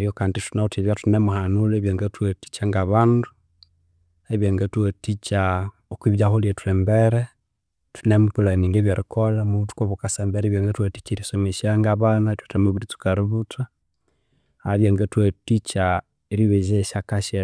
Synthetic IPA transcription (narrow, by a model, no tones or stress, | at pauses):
ɾjokanditunautiβjatunemuhanuleβjaŋɡatwati̥t͡ʃaŋɡaβandu | eβjaŋɡatwatit͡ʃa | okwiβjaholietuembeɾe | tunemukulaniŋɡeβjaɾikʰolamuutu̥koβukasambeɾeβjaŋɡatwati̥t͡ʃiɾisomeʃaŋɡaβanatwtamuβiɾitu̥kaɾiβuta | aβjaŋɡatwatit͡ʃa | eɾiβeʒeʃakaʃe